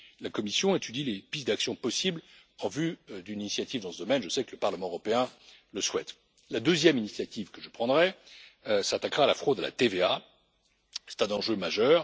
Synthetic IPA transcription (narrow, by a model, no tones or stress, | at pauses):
lakɔmisjɔ̃et̪yd̪ilepit̪d̪aksjɔ̃pɔsibl | ɑ̃vyd̪yninisjat̪ivd̪ɑ̃səd̪ɔmɛnʒəsɛkələpaʁləmɑ̃øʁɔpeɛ̃ | ləswɛt̪ | lad̪øzjɛminisjat̪ivkəʒəpχɑ̃d̪ʁɛ | sat̪akʁaːlafχod̪ala̰t̪evea | sɛ̥t̪ɛ̃nɑ̃ʒømaʒœːʁ